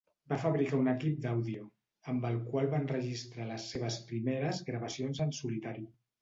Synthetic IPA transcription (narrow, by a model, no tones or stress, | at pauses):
bafəβɾikaunəkip̚d̪awðiu | əmbəlˠkwalˠβanrəʒist̪ɾaləsːeβ̞əspɾimeɾəzɣɾəβəsionzəlˠsulit̪aɾi